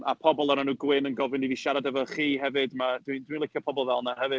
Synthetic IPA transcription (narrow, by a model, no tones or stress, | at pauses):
a̰pʰɔbɔlˠəɾanuːɡwɪnənɡɔvɨniviʃaɾadɛvɔχiːɦɛvɨdmadwindwinlɪkʰjɔpʰɔbɔlˠvɛlˠnahɛvɨd̥